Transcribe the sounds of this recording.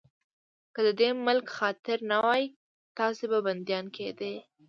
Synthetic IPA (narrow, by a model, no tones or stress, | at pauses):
kəd̪əd̪emʊlkxɑt̪ɪɾnawɑj | t̪ɑsebaband̪jɑnkʰed̪e